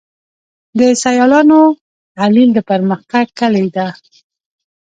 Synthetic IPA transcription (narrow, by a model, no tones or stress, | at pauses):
d̪əsajɑlɑno | ʕalild̪əpəɾməxt̪aɡ̚kːəlejd̪a